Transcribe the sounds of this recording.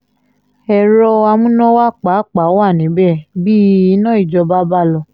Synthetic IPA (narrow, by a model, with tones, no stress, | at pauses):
ɛ˨ɾɔ˧a˧mũ˦nɔ̃˦wa˦k͡pa˨˦˨k͡pa˨˦wa˦˨nĩ˨˦bɛ˦˨bi˦i˧˦nã˦i˦˨d͡ʒɔ˨˧ba˦ba˦lɔ˧˨